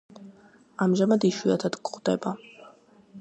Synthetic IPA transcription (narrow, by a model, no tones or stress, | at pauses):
amʒamad̪iʃwiat̪ʰad̪kʼʁvd̪ɛba